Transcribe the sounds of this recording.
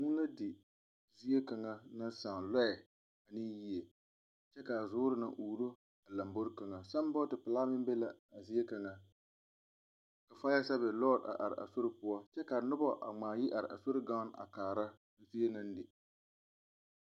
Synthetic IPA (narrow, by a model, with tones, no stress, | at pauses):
ŋʊ˦la˦dɪ˨ | zi˦e˦ka˨ŋa˦na˦saː˨nlɔ˦ɛ˨ | a˨nɪ˦ji˦e˨ | t͡ʃɛ˦ka˨zʊː˦ɾɨ˨na˨ʔuː˨ɾo˦ | a˨la˨mbo˦ɾka˨ŋa˨sa˦m˦bɔ˦tɪ˨pɪ˨laː˦mɪ˦m˦be˦la˨a˨zi˦e˦ka˨ŋa˨ | ka˨fa˦a˦sa˦βɪ˨lɔː˦˨da̰˨ʔa̰˨ɾɪ̰˨ʔa̰˨so˦ɾɪ˦pʊ˦a˦t͡ʃɛ˦ka˨nʊ˦bɔ˦ʔa̰˨ŋ͡maː˨ji˦ʔa˨ɾɪ̰˨ʔa̰˨so˦ɾɪ˦ɡa˦n˦a̰˨kaː˨ɾa˦ | zi˦e˦nɨ˦n˦dɪ˨